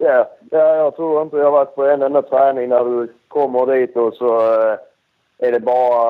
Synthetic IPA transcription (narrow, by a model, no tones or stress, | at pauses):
jæːjɑːjɑːɡ̚t̪ʰɾuːɾɪnt̪ədɪhɑɾvæʈ̪̚ːpʰɔɛnd̪ɛnːat̪ʰɾæːnɪŋnæɖɵ | kʰɔmːəɾd̪iːt̪d̪ɔsɔ | æɖɛbɑːɾa